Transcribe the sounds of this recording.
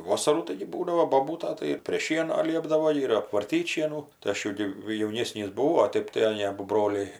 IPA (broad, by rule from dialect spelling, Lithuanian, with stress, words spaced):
ˈʋoːsɐruː ˈtɐɪɡʲɪ ˈbuːdɐʋoː boːˈbuːtɐ tɐɪ ɪr pʲrʲeː ˈʃʲiɛnoː ˈlʲiɛbdɐʋoː ɪr ɐpʋɐrʲˈtʲiːtʲ ˈʃʲiɛnuː tɐɪ ˈɐʃ jɛʊ ˈɡʲɪ jɛʊˈnʲeːsʲnʲiːs bʊˈʋɐʊ oː ˈtʲɛɪp ɐˈnʲeː ˈɑːbʊ ˈbroːlʲɛɪ